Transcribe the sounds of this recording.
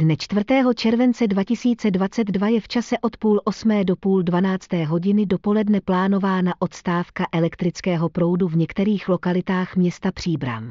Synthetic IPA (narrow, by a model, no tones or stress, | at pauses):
dnɛt͡ʃt̪vr̩t̪ɛːɦo̞t͡ʃɛɾvɛnt͡sɛdvacɪsiːt͡sɛdvat͡sɛd̪dvajɛft͡ʃasɛʔo̞t̪puːlʔo̞smɛːdo̞puːldvanaːt͡st̪ɛːɦo̞ɟɪnɪdo̞po̞lɛdnɛplaːno̞vaːnaʔo̞t̪st̪aːfkaʔɛlɛkt̪ɾɪt͡skɛːɦo̞pɾo̞wduvɲɛkt̪ɛɾiːxlo̞kalɪt̪aːxmɲɛst̪apr̝̥iːbɾa̰m